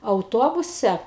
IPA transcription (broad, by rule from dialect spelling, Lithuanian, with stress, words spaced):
ɐʊˈtoːbʊsʲɛ